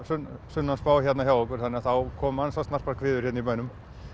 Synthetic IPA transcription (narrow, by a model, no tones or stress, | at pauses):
sʏnsʏnːanspawçjɛt̪naçjawɔk̬ʏɾ̥θanːɪaθawkʰɔːmansast̪nar̥paɾkʰvɪːðʏɾ̥jɛt̪nipœɥnʏm